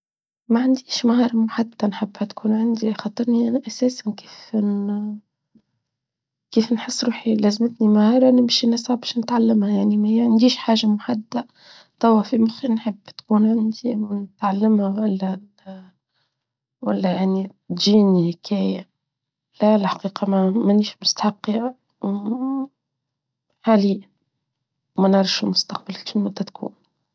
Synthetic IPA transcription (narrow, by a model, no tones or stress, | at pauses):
maʕand̪iːʃmahɑːɾˤɑmʊħad̪ːanħɪbːhæt̪kʰuːnʕand̪ixɑːt̪ˤːɨɾniʔænaʔasæːsanke̥ːf | keːfnħəsˤːɾuːħilæːzmɪt̪nimahɑːɾˤɑnɪmʃinæsʕabæʃnɪt̪ʕalːɪmhajaʕnimaʕand̪iːʃħaːʒamʊħad̪ːa | t̪ˤɑwɑfimʊxinħɪbːt̪kuːnʕɪnd̪imnɪt̪ʕalːɪmhawælːæ | wælːæjaʕni | t̪ʒiːnhkʰæːja | lælħḁqiːqɑmæmæniːʃmʊst̪aħɑqːi | ħaːli | mænʕɑɾˤʃɪlmʊst̪aq̚balʃinmʊd̪ːæt̪kʰṵːn